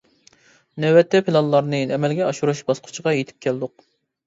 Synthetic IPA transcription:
nɛwɛt̪ʰːɛpʰilˠɑlˠːɑɾnɨɛmɛlɡʲɛɑʃuɾuʃbɑsqʰʊ̥t͡ʃʰəʁɑjet̪ʰɪ̥p̚kʲʰɛld̪ʊq

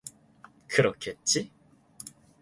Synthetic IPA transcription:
kʰɯɾokʰet̪̚t͡ɕ͈i

